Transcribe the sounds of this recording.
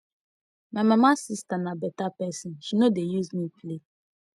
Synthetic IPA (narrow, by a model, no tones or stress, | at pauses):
mɛmɛmasistanabɛtapɛsĩnʃinodejuzmifle